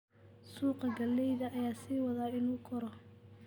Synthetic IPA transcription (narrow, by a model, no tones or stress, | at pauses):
suːqɐɡɐlːɛjðɐʔːjaːsiːwɑðaːɪnuːkʰɔɾɔ